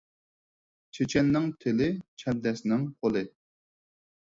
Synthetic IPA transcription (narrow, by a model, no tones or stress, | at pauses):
t͡ʃʰet͡ʃʰɛnːɪŋt̪ʰɪlɪt͡ʃʰɛnd̪ɛsnɪŋqʰolˠɨ